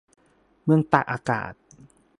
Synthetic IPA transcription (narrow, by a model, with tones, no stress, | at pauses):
mɯ˧əŋt̪a˨˩k̚ʔaː˧ka̰ː˨˩t̪̚